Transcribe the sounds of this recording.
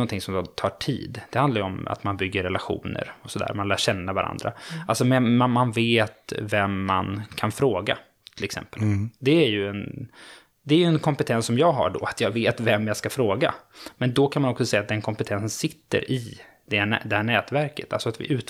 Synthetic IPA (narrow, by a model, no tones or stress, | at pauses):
ɔnt̪ʰɪŋsɔmd̪ɔt̪ʰɑːʈʰḭːd̪d̪ɛhand̪laɾjəɔma̰t̪manbʏɡːəɾːɛlaɧṵːnə̰ɾɔsɔd̪æ̰ːɾmanlæːɕɛnːavaɾʔa̰nd̪ɾa̰alsɔmɛmanmanveːt̪vɛmːankʰanfɾoːɡa | t̪ʰɪlɛksɛ̰mpəld̪ɛæɾjɵɛn | d̪ɛːjɵɛnkʰɔmpɛt̪ʰɛnsːɔmjɑːɡɦa̰ɖɔ̰at̪ʰjɑːveːt̪vɛmːjaskafɾoːɡa̰mɛnd̪ɔkʰanmanɔksɔsɛjːat̪̚d̪ɛnkʰɔmpɛt̪ʰɛnsənsɪt̪ːə̰ɾɪ | d̪ɛhæd̪ɛhæːɳɛːt̪væɾkət̪ʰa̰lsɔat̪vɪ̰ʔʉ̟ːt̪